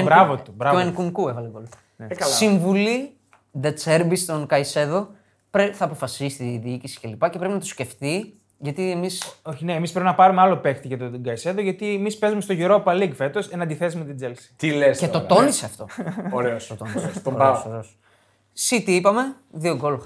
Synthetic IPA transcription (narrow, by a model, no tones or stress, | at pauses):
ɾɐvot̪ubɾɐvoeŋkuŋkuevɐlekolut̪ɐ̥ | kɐssiɱvuli | d̪et͡seɾbist̪o̞nkɐise̞ðo̞ | pɾeθɐːpo̞fɐsisi̥t̪iðiicisi̥ce̞lipɐce̞pɾe̞pinɐt̪usce̞ft̪i | ʝɐt̪iemisoçineːmispɾepinɐpɐɾumealopext̪iʝɐt̪oɡɐise̞ðoʝɐt̪iemispe̞zumest̪oʝiɾopɐliɡfe̞t̪o̞senɐnd̪iθezimet̪id͡zelsi̥t̪ilescet̪o̞t̪o̞niseɐft̪o̞̰oɾeosot̪onɾeosoɾeos | sit̪iipɐme̞ | ðio̞ɡolx